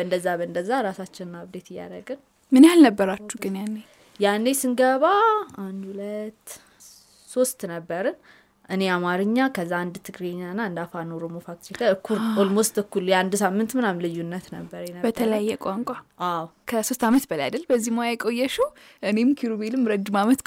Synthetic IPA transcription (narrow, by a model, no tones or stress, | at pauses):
bəɨnd̪əzːabəɨnd̪əzːaɾasat͡ʃːɪnɨnaβd̪et̪ɨjːa̰ɾəɡɨn | mɨnjalnəbːəɾat͡ʃːuɡɨnjanːe | janːesɨŋɡəβaand̪hulət̪ː | so̞st̪nəbːəɾɨn | ʔɨne̞amaɾɨɲːakʰəzːaand̪t̪ʰɨɡɾeɲːaɨnːaɨnd̪afanoɾomofak̚t̪ɾikaɨkːuɾolmost̪ɨkːuljɛand̪samːɨnt̪mɨnamlɨjːunːət̪nəbːəɾjɛnəbət̪ʰələjjːɛkʼaŋkʷʼaʔawkʰəso̞st̪amət̪bələjad̪əlbəzːimojajkʼo̞jːɛʃəwʔɨne̞mkʰiɾobelɨmɾəd͡ʒ̪ɨmamət̪